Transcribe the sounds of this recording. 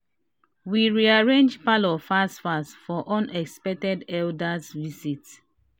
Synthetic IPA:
wiɹiaɹẽnd͡ʒpalɔfastfastfɔʔɔ̃nɛkspɛk̚tɛdɛldasvisits

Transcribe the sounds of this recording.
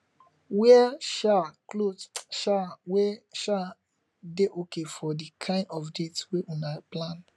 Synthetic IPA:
wɛɛʃaklotʃawɛʃa | deʔokefɔdikʰãɪ̃ndɔfdetweʔunaplan

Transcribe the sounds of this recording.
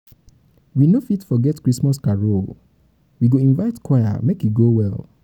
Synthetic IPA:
winofitfɔɡɛtkɹismɔskaɹo | wiɡoĩnvaɪtkwaja̰mekjiɡowɛl

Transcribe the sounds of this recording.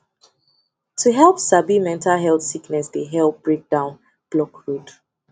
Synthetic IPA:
tʰuɦɛlˠpsabimɛ̃ntalɦɛlˠθsiknɛsdeɦɛlˠp̚b̥ɹek̚d̥ãʊ̃n | b̥lɔkɹud

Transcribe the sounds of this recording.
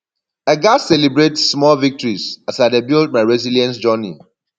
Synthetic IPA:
əɡassːɛlibɹetsːmɔlvik̚tɔɹizasadebild̚maɹɛziljɛ̃ns̬d͡ʒɔni

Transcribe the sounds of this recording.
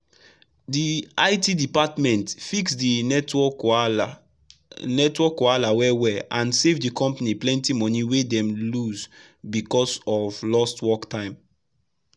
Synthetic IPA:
diaɪtidipatmɛ̃ntfiksdiɔ | nɛtwɔkalawɛwɛãnsevdikɔ̃mpaniplɛ̃ntimɔniwedɛ̃mluz | bikɔsɔvlɔstwɔktʰãɪ̃m

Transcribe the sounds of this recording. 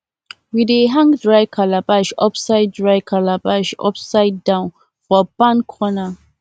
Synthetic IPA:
wideɦãŋdɹaɪkʰalabaʃɔpsaɪd̚dɹaɪkʰalabaʃɔ̰psaɪdːãʊ̃n | fɔbãnkʰɔna

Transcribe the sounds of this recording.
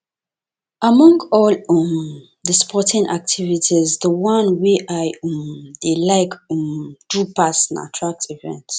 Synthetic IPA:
ʔamɔ̃ŋɡɔlm | dəspʰɔtʰĩnʔa̰k̚tʰivitʰizðəwãnweʔajdelaɪk | d̥upasãna̰tʰɹak̚tʰivɛ̰̃nt

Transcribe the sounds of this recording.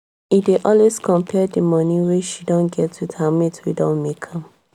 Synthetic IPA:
ideʔɔlweskɔ̃mpʰɛdəmɔniweʃidõnɡɛtwitʰametʰwidõnmekʰãm

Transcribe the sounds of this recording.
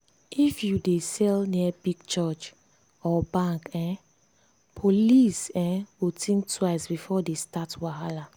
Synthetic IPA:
ifjudesɛlniɛbiɡt͡ʃɔt͡ʃ | ɔbãŋkɛ̃ | pʰolisɛ̃wutʰĩŋktʰwaɪsbifɔdestatwaɦala

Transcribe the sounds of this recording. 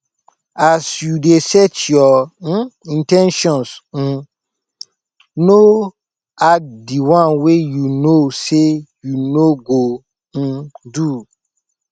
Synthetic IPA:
asjudesɛtjɔ̃ | ĩntɛ̃nʃɔ̃ns̩ | no | adiwãnwejunosejunoɡo | ñ̩du

